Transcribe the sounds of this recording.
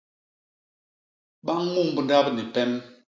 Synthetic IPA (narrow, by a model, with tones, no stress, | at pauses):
ɓa˦ŋ˦ŋu˦˨ŋbu˨nda˦pni˨pɛ˦m